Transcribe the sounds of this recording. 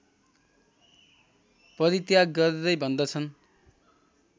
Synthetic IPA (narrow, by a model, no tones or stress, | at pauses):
pʌɾit̪jaɡ̚ɡʌɾeɾʌjbʱʌnd̪ʌt͡sʰʌn